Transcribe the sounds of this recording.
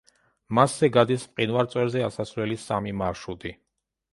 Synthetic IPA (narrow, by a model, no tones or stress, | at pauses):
maszɛɡad̪ismqʼinvaɾt̪sʼwɛɾzɛasasvlɛlisamimaʃud̪i